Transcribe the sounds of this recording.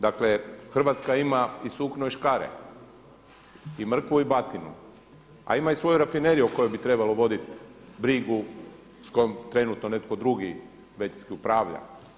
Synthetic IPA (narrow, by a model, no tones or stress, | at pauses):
d̪akle̞xr̩ʋat̪skaimaisuːknoiʃkaɾḛ | imr̩kʋuibat̪inṵ | a̰imaisʋo̞juɾafineɾijuko̞jojbit̪ɾe̞balo̞ʋo̞d̪it̪bɾiɡu | sko̞jomt̪ɾe̞nut̪no̞ne̞t̪ko̞d̪ɾuɡi | ʋe̞tiskiupɾaːʋʎa̰